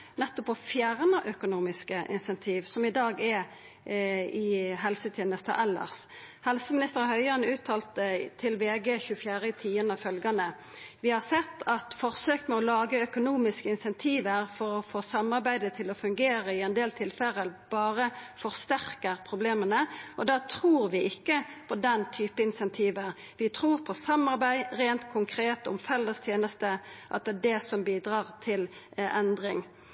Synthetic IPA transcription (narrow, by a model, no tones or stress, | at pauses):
nɛt̪ːɔpɔfjæːʁnəʔœkʊnuːmɪskəʔɪ̰nsɛnt̪ʰiːʋsɔmɪd̪ɑːɡɛ | ɪɦɛlsət̪ʰjɛːnəst̪ʰə̰ʔɛlːə̰ʁs | hɛlsəmɪnɪst̪əʁhœʏɑnʉːt̪ʰːɑːlt̪ət̪ʰɪlʋeːɡəçʉfjæːʁət̪ʰiːənəɑʋfœlɡɑnə | ʋɪhɑʁsɛt̪ːɑt̪fɔʁsøːkmɛɔlɑːɡəœkʊnuːmɪskəɪnsɛnt̪ʰiːʋəɾfɔɾɔfoːsɑmːɑʁbæɪd̪ət̪ʰɪlɔfʉŋɡeːʁəɪɛnd̪eːlt̪ʰɪlfɛləəbɑːʁəfɔʁst̪æʁkəʁpʰʁʊbleːmənəʔɔd̪ɑːt̪ʰɾuːʁʋɪɪkːəpʰɔd̪ɛnt̪ʰyːpəɪnsɛnt̪ʰiːʋəʁ | ʋɪt̪ʰɾuːʁpʰɔsɑmːɑʁbæɪʁeːnt̪kʰʊŋkʰɾeːt̪ʊ̰mfɛlːəst̪ʰjeːnəst̪əʔɑ̰t̪̚d̪ɛdɛsɔmbiːd̪ʁɑːʁt̪ʰɪlɛnd̪ʁɪŋ